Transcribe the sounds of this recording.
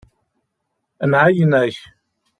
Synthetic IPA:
nʕajənæç

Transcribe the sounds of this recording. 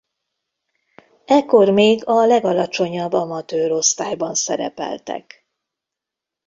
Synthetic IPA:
ɛkːo̞rmeːɡɒlɛɡɒlɒt͡ʃo̞ɲɒbːɒmɒt̪øːɾo̞st̪aːjbɒnsɛɾɛ̰pɛ̰lt̪ɛ̰k

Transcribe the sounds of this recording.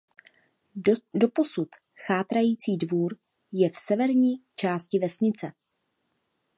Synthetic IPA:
do̞po̞sut̪ | xaːt̪ɾajiːt͡siːdvuːɾ | jɛfsɛvɛɾɲiːt͡ʃaːscɪvɛsɲɪt͡sɛ

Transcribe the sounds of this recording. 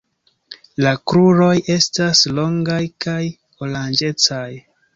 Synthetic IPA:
lakɾuɾo̞je̞staslo̞ŋɡajkaj | oland͡ʒe̞t͡saj

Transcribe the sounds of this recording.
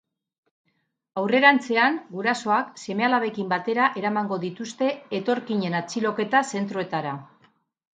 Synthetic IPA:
awre̞ɾant͡se̞aŋɡuɾaso̞akse̞me̞alaβe̞kimbat̪e̞ɾaʔe̞ɾamaŋɡo̞ðit̪ust̪e̞ːt̪o̞ɾkiɲe̞nat͡silo̞ke̞t̪ase̞nt̪ɾoe̞t̪aɾa

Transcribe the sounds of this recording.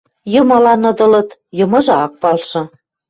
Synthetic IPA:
jɤ̆mɑlɑnɤ̆d̪ɤ̆lɤ̆t̪jɤ̆mɤ̆ʒɤɑk̚pɑlʃɤ̆

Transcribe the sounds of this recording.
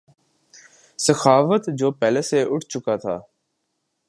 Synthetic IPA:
səxaːfət̪d͡ʒoːpɛːleːseːʔʊʈʰt͡ʃʊkaːt̪ʰa̰ː

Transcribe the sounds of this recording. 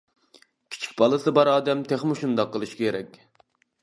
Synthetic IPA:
kʲʰi̥t͡ʃʰi̥kʲbɑlˠɨsɨbɑɾɑːd̪ɛmt̪ʰeχmɪʃund̪ɑqːəlˠɨʃkʲkʲʰeɾɛkʲ

